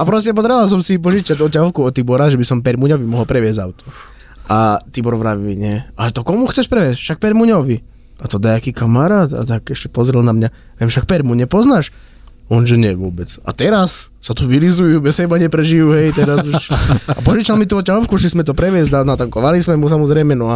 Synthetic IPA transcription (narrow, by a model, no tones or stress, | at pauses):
apɾɔs̬cɛpɔd̪ɾɛʋals̬ɔmsip̬ɔʒit͡ʃat̪ɔcaɦɔʊkuɔt̪ːibɔɾaʒɛbisɔmpɛɾmuɲɔʋimɔɦɔlpɾɛʋɪɛzɟa̰ʊt̪ɔ̥ | ʔat̪ibɔɾʋɾaʋimiɲɛalɛt̪ɔkɔmuxt͡sɛʃpɾɛʋɪɛscfʃak̚pɛɾmuɲɔʋi | at̪ɔd̪ajakiːkamaɾaːt̪a̰t̪akɛʃcɛ̥pɔzɾɛlnamɲa | ʋɛmʃak̚pɛɾmuɲɛpɔznaːʃ | ɔnʒɛɲɛʋʊɔbɛt͡sa̰t̪ɛɾasː | at̪uʋilizujubɛsɛbaɲɛpɾɛʒijuɦɛjt̪ɛɾazuʃapɔʒit͡ʃalmit̪uɔcaɦɔʊkuʃismɛt̪ɔpɾɛʋɪɛzd̪anat̪aŋkɔʋalismɛmusamɔzɾɛjmɛnɔa